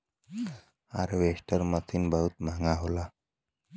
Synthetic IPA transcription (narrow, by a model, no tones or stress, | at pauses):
a̰ɾʋesʈəɾmət̪ʰinbəɦut̪m̤aŋɡaɦola